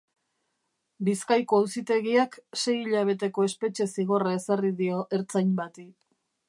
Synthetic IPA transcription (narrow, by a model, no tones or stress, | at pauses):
biskajko̞awsit̪e̞ɣiakse̞jiʎaβ̞e̞t̪e̞ko̞e̞spe̞t͡ʃe̞siɣ̞o̞rae̞sariðio̞ʔe̞ɾt͡sajɲbat̪i